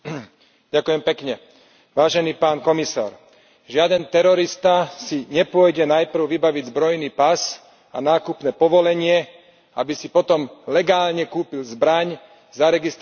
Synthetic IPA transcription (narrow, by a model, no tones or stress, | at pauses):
ɟakʊjɛmpɛkɲɛ | ʋaːʒɛniːpaːnkɔmisa̰ːɾ | ʒɪad̪ɛnt̪ɛɾɔɾist̪asiɲɛpʊɔjɟɛnajpr̩ʊʋibaʋiɟzbɾɔjniːpas | anaːkupnɛːpɔʋɔlɛɲɪɛ | abisipɔt̪ɔmlɛɡaːlɲɛkuːpilzbɾaɲ | zaɾɛɡist̪